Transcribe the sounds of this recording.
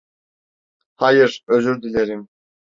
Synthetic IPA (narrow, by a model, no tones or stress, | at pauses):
hajɯɾøzyɾd̪ilʲeɾim